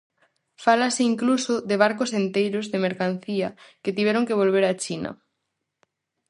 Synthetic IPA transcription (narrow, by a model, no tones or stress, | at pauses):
falasɪiŋklusoðeβ̞aɾkosent̪ejɾozðemeɾkan̟θiɐket̪iβɛɾoŋkeβ̞olβeɾat͡ʃinɐ̰